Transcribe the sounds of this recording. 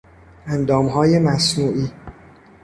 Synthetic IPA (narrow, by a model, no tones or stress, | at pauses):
ænd̪ɒːmɦɒːje̞mæsnuːʔiː